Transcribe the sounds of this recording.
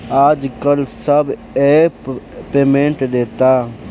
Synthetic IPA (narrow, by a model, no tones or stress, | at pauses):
aːd͡ʒkəlsɐb | eːpeːmẽɳʈd̪eːt̪aː